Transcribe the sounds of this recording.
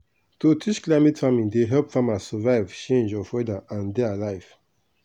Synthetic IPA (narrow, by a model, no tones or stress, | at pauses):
totʰit͡ʃklaɪmɛtfamĩndeɦɛlpfãmasɔvaɪvt͡ʃẽnd͡ʒɔfwɛdaʔãndealaɪv̥